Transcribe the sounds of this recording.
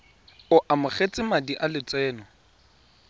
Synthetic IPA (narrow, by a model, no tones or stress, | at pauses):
ʊʔamʊχet͡sʼɪmadiʔalɪt͡sʼwɛːnɔ